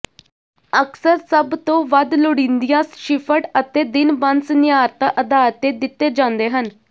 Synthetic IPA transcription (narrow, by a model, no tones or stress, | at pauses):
əksəɾsəbt̪õːʋəd̪lʊɽĩːnd̪ijãːsʃɪpʰəʈət̪eːd̪ɪnbənsnɪjaːɾt̪aːʔəd̪aːlt̪eːd̪ɪt̪ːeːd͡ʒãːnd̪eːɦən